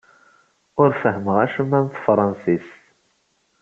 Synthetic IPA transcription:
ʊɾfəɦəməʁæʃəmːænθfɾˤɑnsis

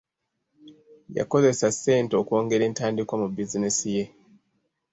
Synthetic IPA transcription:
ja̰ko̞ze̞sase̞ːnteo̞ko̞ːŋɡe̞ɾe̞ːntaːndikwamubizinesije̞

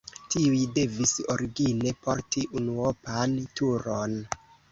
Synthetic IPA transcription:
tiujde̞visoɾiɡine̞po̞ɾtiʔunuopantuɾon

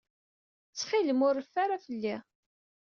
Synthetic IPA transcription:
t͡sːχiləmʊɾːəfːaɾafəlːi

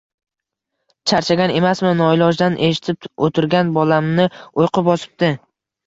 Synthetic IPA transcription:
t͡ʃʰaɾt͡ʃʰaɡʲane̞masmɪnɒɪlɒʒd̪anʔe̞ʃɪ̥t̪ʰɪp̚ot̪ʰɪɾɡʲanbɒlamnɪojqɨp̚bɒsɪ̥p̚d̪̥ɪ

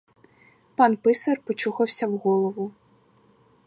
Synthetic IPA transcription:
panpɨsɐrpɔt͡ʃuxɐwsʲɐwɣɔlˠɐvu

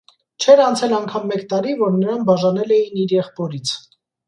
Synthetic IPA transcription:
t͡ʃʰɛɾɑnt͡sʰɛlɑŋkʰɑmːɛkt̪ɑɾivɔɾnəɾɑnbɑʒɑnɛlɛjiniɾjɛχpɔɾit͡sʰ

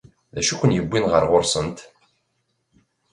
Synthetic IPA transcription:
ðæʃukʷːənjəbːinʁəɾʁʊɾsənt̪

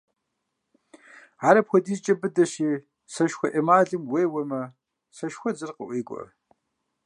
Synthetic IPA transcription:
aːɾɐpxʷɔdiːzt͡ʃʼɐbɨdɐɕiː | sɐʃxʷɐʔɐmaːɮɨmweːwɐmɐ | sɐʃxʷɔd͡zɨrqə̰ʔʷiːkʷʼɔ̰ɐ̰

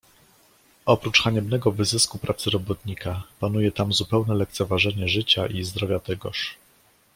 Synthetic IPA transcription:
ɔpɾut͡ʂxaɲɛbnɛɡɔvɘzɘskupɾʔat̪sɘɾɔbɔt̪ɲikapanujɛt̪amzupɛwnɛlɛk̚t̪sɛvaʐɛɲɛʐɘt͡ɕaʔizd̪ɾɔvʲjat̪ɛɡɔʂ

